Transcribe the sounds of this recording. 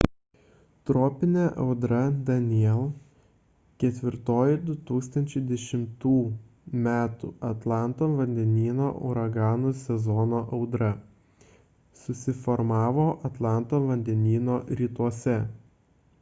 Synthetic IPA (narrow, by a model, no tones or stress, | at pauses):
t̪ɾɔːpʲɪnʲeːʔɐʊd̪ɾɐd̪ɐnʲɪiɛlˠ | kʲɛt̪ʲʋʲɪɾt̪oːjɪd̪ʊt̪uːkst̪ɐnʲt͡ʃʲɛɪd̪ʲɛʃʲɪmt̪uː | mʲæːt̪ṵːɐt̪lˠɑˑnt̪oːʋɐnʲd̪ʲɛnʲiːno̰ːʔʊ̰ɾɐɡɑːnusʲɛzɔnoːʔɐʊd̪ɾɐ | sʊsʲɪfɔɾmɑːʋoːʔɐt̪lˠɑˑnt̪oːʋɐnʲd̪ʲɛnʲiːnoːɾʲiːt̪uɔsʲɛ